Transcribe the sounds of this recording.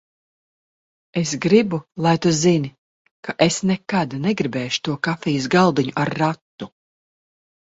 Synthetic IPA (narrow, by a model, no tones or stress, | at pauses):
esɡɾibulˠajt̪uzini | kaʔesnɛkad̪nɛɡɾibɛːʃu̥t̪uɔkafijusɡalˠd̪iɲuʔaɾːat̪ːu